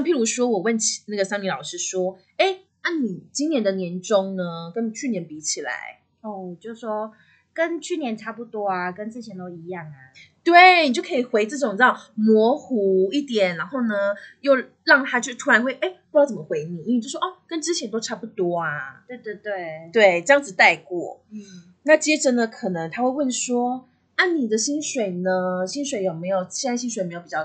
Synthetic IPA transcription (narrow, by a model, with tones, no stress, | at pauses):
pʰi˥ɻu˧˥ʂwɔ˥wɔ˨˩wə˥˩nt͡ɕʰna˥˩ɡə˩sa˥ŋli˧˥lɑ˨˩ʊʂɻ̩˥ʂwɔ˥ | e˥˩ɪ | na˥˩ni˨˩t͡ɕi˥njɛ˧˥nd̪ə˨njɛ˧˥nʈ͡ʂʊ˦˥ŋnə˦kə˦˥ni˨˩t͡ɕʰy˥˩njɛ˧˥˦npi˧˥t͡ɕʰi˨˩la̰˧˦ɪ | o˥˩˨t͡ɕjo˥˩ʊʂwɔ˥ | kə˦nt͡ɕʰy˥˩njɛ˧˥nʈ͡ʂʰa˥˩pu˧˩t̪wɔ˥a˧kə˦nt͡sɹ̩˥˩t͡ɕʰjɛ˧˥nt̪o˥ʊi˧˥jɑ˥˩ŋa˩t̪we˥˩ɪni˨˩t͡ɕjo˥˩kʰɤ˧˥i˨˩xwe˧˥ɪt͡s̩˥˩ʈ͡ʂo˨˩ŋt͡s̩̪˥ɑ˧˩mwɔ˧˥xu˧˥i˥˩t̪jɛ˨˩nɻa˧˥nxo˥˩ʊnə˩jo˥˧ʊ | ɻɑ˥˩ŋt̪ʰa˥t͡ɕo˥˩t̪ʰu˧˥ɻa˧˥nxwe˥˩ɪʔe˥˩ɪpu˧jɑ˥ʊt͡sə˨˩mə˧˦xwe˧˥ɪni˨˩i˥˧˨t͡ɕo˥˩ʂʔɔ˥˩kə˥nʈ͡ʂɻ̩˥t͡ɕʰjɛ˧˥nt̪o˥ʊʈ͡ʂʰa˥pu˧˩t̪wɔ˥ɐ˩t̪we˥˧t̪we˥˧t̪we˥˩ɪt̪we˥˩ɪʈ͡ʂɤ˥˧jɑ˥˧ŋd͡zɹ̩˩t̪a˥˧ɪkwɔ̰˥˩ | na˥˩t͡ɕjɛ˥ʈ͡ʂə˨nə˦kʰɤ˨˩nɤ˧˦ŋt̪ʰa˥xwe˥˧ɪwə˥˩nʂwɔ˥ | a˥˩ni˨˩d̪ə˦ɕi˥nʂwe˨˩ɪnə˦ɕi˥nʂwe˨˧˥ɪjo˨˩ʊme˧˥ɪjo˨˩ʊ˥˩˥nɕi˥nʂwe˨˧˦me˧˥jo˨˩i˨˩t͡ɕɑ˥˧˩